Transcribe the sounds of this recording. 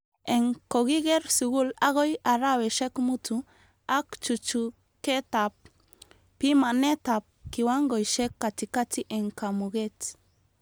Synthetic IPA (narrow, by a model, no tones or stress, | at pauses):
eŋkoɣiɣeɾsuɣulaɣojaɾaweʃekmutu | akt͡ʃut͡ʃu | ket̪ap̚ | pimanet̪ap̚kiwaŋɡojʃekːat̪ikatiʔeŋkamuɣet